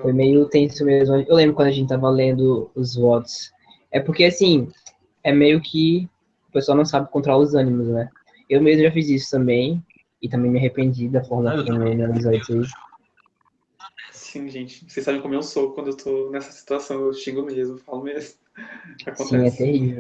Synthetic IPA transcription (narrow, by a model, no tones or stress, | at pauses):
fojmejʊt̪ẽsʊmezmɐewlẽbɾʊkwɐ̃d̪ɐʒẽt͡ʃɪt̪avɐlẽnd̪ʊʊzvɔt̪ʊ̥s | ɛpʊɾkeasĩ | ɛmejʊkʰɪ | ʊpeswawnɐ̃w̃sabɪkõt̪ɾaʊzɐ̃nimʊznɛ | ewmezmʊʒafizisʊ̥t̪ɐ̃mbẽj̃ | ɪt̪ɐ̃mbẽj̃mɪahepẽnd͡ʒid̪ɐfɔɾmɐlɐkt̪ɐ̃mẽj̃neizɔd͡ʒzeis | sĩʒẽt͡ʃɪ̥sesabẽkõmʊewsokwɐ̃d̪ʊewt̪ʰonɛsɐ̥si̥t̪uasɐ̃w̃ewʃĩɡʊmezmʊfalʊmezmʊakosiɛ̃ɛt̪ehivew